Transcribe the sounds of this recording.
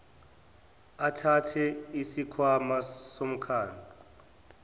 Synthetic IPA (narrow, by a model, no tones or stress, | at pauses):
atʰatʰɛisikʰwamasom̩kʰaːndʱu